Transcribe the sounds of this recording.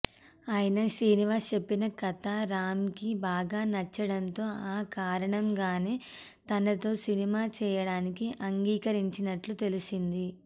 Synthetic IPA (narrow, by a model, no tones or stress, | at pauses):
aːjɐnɐsiːniʋaːst͡ʃe̞pːinɐkɐt̪aɾaːmkibaːɡaːnɐt͡ʃːɐɽɐnt̪o̞ːaːkaːɾɐɳɐmɡaːneː | t̪ɐnɐt̪o̞ːsinimaːt͡ʃɛːjɐɽaːnikiʔɐŋɡiːkɐɾiɲt͡ʃinɐʈlut̪e̞lusind̪i